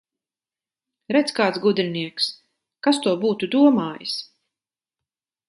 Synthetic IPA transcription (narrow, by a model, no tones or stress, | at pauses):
ɾɛt̪skaːt̪sɡud̪ɾiniɛks | kast̪uɔbuːt̪ud̪uɔmaːjɨs